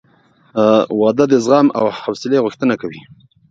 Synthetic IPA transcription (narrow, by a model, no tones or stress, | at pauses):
wɑd̪ad̪əzɣɑma̰whawsɪleɣʊxt̪ənakawi